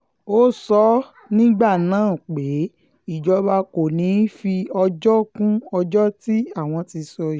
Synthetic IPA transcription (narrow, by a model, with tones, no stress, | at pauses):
o˦sɔ˦ | nĩ˦ɡ͡ba˦˨nãː˦˨k͡pe˨˦ | i˦˨d͡ʒɔ˧˦ba˧ko˨nĩ˨˦fi˧ɔ˧d͡ʒɔ˦kũ˦ɔ˧d͡ʒɔ˦ti˦a˦˨w̃ɔ̃˧ti˧sɔ˧i˨